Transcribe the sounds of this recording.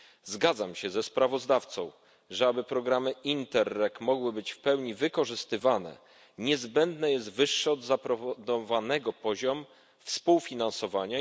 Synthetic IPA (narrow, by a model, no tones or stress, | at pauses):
zɡad̪zamɕɛzɛspɾavɔzd̪aft̪sɔ̰̃w̃ | ʐɛabɘpɾɔɡɾamɘint̪ɛɾːɛkmɔɡwɘbɘt͡ɕfpɛwɲivɘkɔʐɘst̪ɘvanɛ̰ | ɲɛzbɛnd̪nɛjɛs̬t̪vɘʂːɛɔd̪zapɾɔvd̪ɔvanɛɡɔpɔʑɔm | fspuwfʲinansɔvaɲa